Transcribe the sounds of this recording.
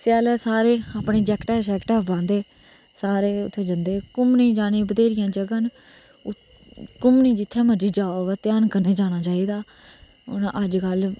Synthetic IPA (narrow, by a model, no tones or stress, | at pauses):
sɪjaːlɛːsaːɾeːaːpɳeːd͡ʒɛːkʈɛːsɛːkʈɛːbãːnd̪eː | saːɾeːʊt̪ʰːeːd͡ʒənd̪eːkʊmnĩːd͡ʒaːñiːbəd̪eːɾɪjãːd͡ʒəɡən | ʊ | kʊmnĩːd͡ʒɪt̪ʰːɛːməɾd͡ʒiːd͡ʒaːoːʋɛːt̪ɪjaːnkəɾneːd͡ʒaːñaːt͡ʃaːiːd̪aː | ʊnʔəd͡ʒkəl